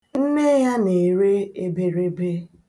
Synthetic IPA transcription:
m̩˦me˦ja˦ne˨ɾe˦e˦be˨ɾe˦be˦

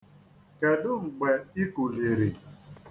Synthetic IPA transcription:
kɛ˨dʊ˦ŋ͡m̩˨ɡ͡bɛ˨i˦ku˨le˨ɾe˨

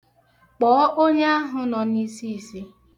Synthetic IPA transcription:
k͡pɔː˨ɔ˦ʔo˦ɲe˦a˦ɦʊ˨nɔ˨ni˦si˦˨si˦

